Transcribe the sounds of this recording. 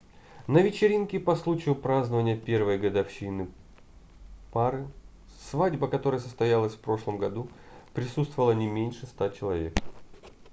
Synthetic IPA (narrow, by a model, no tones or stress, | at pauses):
nəvʲɪt͡ɕɪɾʲinkʲɪpɐslˠut͡ɕɪjʊpɾaznəvənʲɪjəpʲe̞rvəjɡəd̪ɐfɕinɨ | paɾɨ | svadʲbəkɐt̪o̞ɾəjəsəst̪ɐjalˠəsʲfpɾo̞ʂlˠəmɡɐd̪u | pɾʲɪsut̪st̪vəvəlˠənʲɪmʲenʲʂɨst̪at͡ɕɪlˠɐvʲe̞k